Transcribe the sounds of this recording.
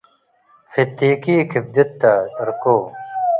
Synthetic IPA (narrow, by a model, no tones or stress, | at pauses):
fit̪ːiːkiːkʰib̚d̪et̪ːasɐɾkoː